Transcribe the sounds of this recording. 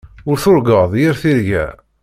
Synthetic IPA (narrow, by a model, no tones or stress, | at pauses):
ʊɾθʊɾɡəðˤjəɾθiɾʝæ̰